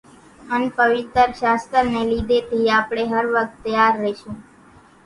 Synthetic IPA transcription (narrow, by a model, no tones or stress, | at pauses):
ənpəʋɪt̪əɾʃast̪əɾnelid̪et̪ʰiapɽ̃eɦəɾʋək̚t̪ːəjaɾːɛʃũ